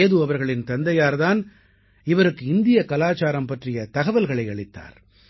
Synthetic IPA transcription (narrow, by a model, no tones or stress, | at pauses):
ðɯɐʋɐɾɣɐɭɪnt̪ɐnd̪ɐjaːɾðaːn | ɪʋɐɾɯkːɯɪnd̪ɪjɐkɐlaːt͡ʃaːɾɐmpɐʈrɪjɐt̪ɐɣɐʋɐlɣɐɭɐɪɐɭɪt̪ːa̰ːɾ